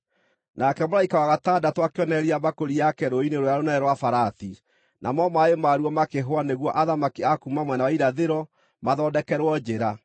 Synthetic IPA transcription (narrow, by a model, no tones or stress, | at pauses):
nakɛmolɾaikawaɣatadatwakeɔnɛɾiabakoɾiakɛɾoineɾojaɾonɛɛɾwafaɾaθi | na̰mɔmaemaɾuɔmakeɦoaneɣwɔʔaðamakiakumamwɛnawaiɾaðeɾɔ | maðɔdɛkɛɾwɔd͡ʒeɾa